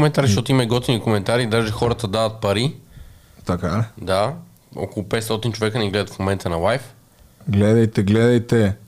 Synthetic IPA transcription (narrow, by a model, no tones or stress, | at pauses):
mɛnt̪aɾizəʃt̪ɔt̪ʊimɐiɡɔt̪inikomɛnt̪aɾid̪aʒɛxɔɾət̪əd̪avət̪̚pɐɾi | t̪akad̪a | ɔ̰kolˠʊpɛt̪st̪ɔt̪int͡ʃovɛkənɛɡlɛd̪ət̪fmomɛnt̪ənɐlˠajf | ɡlɛd̪ɐjt̪ɛɡlɛd̪ɐjt̪ɛ